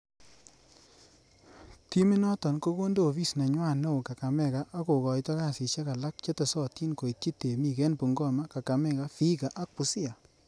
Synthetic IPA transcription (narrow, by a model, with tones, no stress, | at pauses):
ti˦mi˦nɔ˦tɔ˨nko˦ko˦ndo˦˨βi˦˨sna˨ɲwa˦˨no˦˨wka˨ka˨mɛ˦˨ka˦ʔa˦ko˨kɔ˨jtɔ˦ka˦˨sɪ˨t͡ʃe˦ka˨la˦k̚t͡ʃe˦te˨sɔ˦ti˦nko˨i˨ti˦te˨mi˨kɛ˦npu˨ŋɡɔ˦ma˦ka˨ka˨mɛ˦˨ka˦fi˦ka˨ʔa˦k̚pu˨si˦a˨